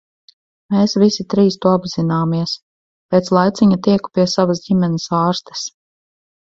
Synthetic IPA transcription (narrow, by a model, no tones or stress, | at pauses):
meːsvisit̪ɾiːst̪uɔabzinaːmiɛs | peːt̪slˠajt̪siɲat̪iɛku̥piɛsavasɟimɛnesaːɾst̪ə̥s